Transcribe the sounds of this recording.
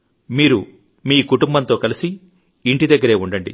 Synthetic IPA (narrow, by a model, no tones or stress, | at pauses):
miːɾu | miːkuʈumbɐnt̪o̞ːkɐlisi | iɳʈid̪ɐɡːɐɾe̞ːuɳɖɐɳɖḭ